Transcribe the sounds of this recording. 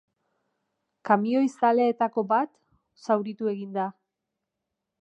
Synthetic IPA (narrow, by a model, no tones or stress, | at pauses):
kamio̞jsaleet̪ako̞bat̪ | sawɾit̪ue̞ɣind̪a